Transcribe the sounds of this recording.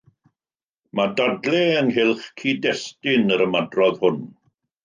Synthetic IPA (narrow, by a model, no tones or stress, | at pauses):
madadlˠɛənɦɪlˠχkʰiːdɛstɪnəɾəmadrɔðhʊn